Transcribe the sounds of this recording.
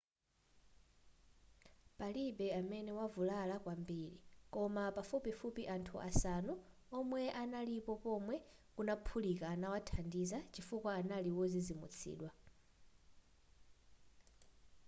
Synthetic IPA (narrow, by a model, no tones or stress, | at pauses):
paliɓɛamɛnɛwavulalakwambiɺikɔmapafupifupiʔantʰuʔa̰sanu | ɔmwɛʔanalipɔpɔmwɛ | kunapʰulikaːnawatʰandizat͡ʃifukwaːnaliwɔzizimṵt͡sʰḭːɗwa